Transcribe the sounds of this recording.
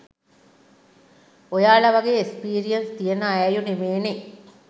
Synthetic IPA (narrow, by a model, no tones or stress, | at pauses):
ojaːɭɐʋɐɡeːekspiːɾijɐnst̪ijenəːjɐjunemeːne